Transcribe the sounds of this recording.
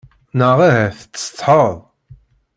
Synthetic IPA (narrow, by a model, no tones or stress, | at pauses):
nəʁahæθt͡sːst̪ˤːħəðˤ